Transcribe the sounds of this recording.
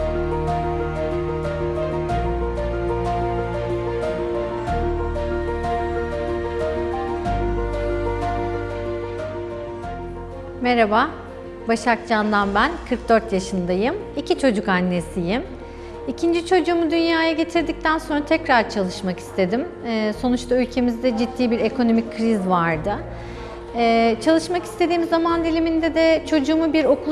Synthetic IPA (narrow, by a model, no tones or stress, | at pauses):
meɾaba | baʃak̚d͡ʒand̪anbænkʰɯɾk̚d̪øɾt̪jaʃɯnd̪ajɯm | icʰit͡ʃʰo̞d͡ʒukanːe̞sijim | icʰind͡ʒit͡ʃʰo̞d͡ʒuːmud̪ynjaːjaɟe̞t̪ʰiɾd̪ic̚t̪ʰænso̞nɾat̪ʰɛcɾaɾt͡ʃʰalˠɯʃmaki̥st̪ʰe̞d̪imːso̞nut͡ʃt̪ʰaylʲcʰe̞mizd̪ɛd͡ʒid̪ːiːbiɾekʰo̞no̞mic̚ʲkʰɾizvaɾd̪ɯ | t͡ʃʰalˠɯʃmaki̥st̪ʰe̞d̪iːmizːamand̪ilʲimind̪ɛd̪ɛt͡ʃʰo̞d͡ʒuːmubiɾo̞kʰu